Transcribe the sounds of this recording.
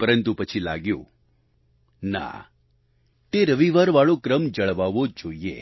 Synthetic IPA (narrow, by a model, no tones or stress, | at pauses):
pəɾənt̪upət͡ʃʰila̰ɡjõ̰ | na̰ | t̪eɾəʋiʋaɾʋaɭokɾəmd͡ʒəɭʋaʋod͡ʒoiḛ